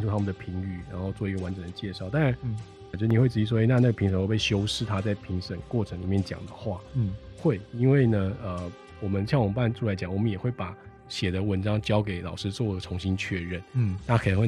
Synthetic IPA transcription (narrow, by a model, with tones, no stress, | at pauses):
nʰu˥˩t̪ʰa˥mə˨nd̪ə˩pʰi˧˥ŋy˥˩ɻa˧˥nxo˥˧ʊt͡swɔ˥˩i˧˥ɡə˨wa˧˦nʈ͡ʂə˨˩nd̪ə˩t͡ɕjɛ˥˧ʂɑ˥˩ʊt̪a˥˧ɻa˧˥n˨˩ | t͡ɕjd̪ə˧ni˨˩we˥˩ɪt͡sɻ̩˧˩i˥˩ʂwɔ˥˧e˧˥ɪna˥˧na˥˩ɡə˩pʰi˧ŋʂə˨˦ŋwo˥˧˩p̬e˥˩ɪɕjo˥ʊʂɻ̩˥˩t̪ʰa˥t͡sa˥˩ɪpʰi˧˥ŋʂə˨˩˦ŋkwɔ˥˩ʈ͡ʂʰɤ˧˥ŋli˨˩mjɛ˥˩nt͡ɕjɑ̰˨˩ŋd̪ə̰˦xwa˥˩˥xwe˥˩ɪi˥nwe˥˩ɪnə˩ə˩ | wɔ˨˩mə˦nɕjɑ˥˩ŋwpa˥˧nʈ͡ʂʰu˥˩la˧˥ɪt͡ɕjɑ˨˩ŋwɔ˨˩mə˦njɛ˨˩xwe˥˩ɪpa˨˩˦ | ɕjɛ˨˩d̪ə˦wə˧˥nʈ͡ʂɑ˥ŋt͡ɕjɑ˥ʊk̬e˨˧˥ɪlɑ˨˩ʊʂɻ̩˥t͡swɔ˥˩ə˩ʈ͡ʂʰʊ˧˥ŋɕi˥nt͡ɕʰɥɛ˥˧ɻə˥˩nna˥˩kʰə˨˩nə˧˥xwe˥˩